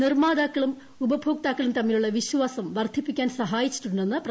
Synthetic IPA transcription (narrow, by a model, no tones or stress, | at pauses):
nirmaːd̪aːkːɐɭum | ubɐbʱoːk̚t̪aːkːɐɭumt̪ɐmːiluɭːɐʋiɕʋaːsɐmʋɐrd̪ʱipːikʲːaːnsɐɦaːjit͡ɕːi̥ʈːuɳɖenːɨprɐ